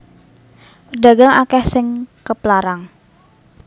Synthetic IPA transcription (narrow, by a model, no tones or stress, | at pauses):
pəɖaɡaŋakɛhsɪŋkəplaɾaŋ